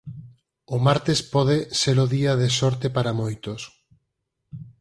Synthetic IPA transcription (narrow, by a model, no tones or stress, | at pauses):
ʊmaɾt̪espɔðeseɾoðiaðesɔɾt̪epaɾamojt̪os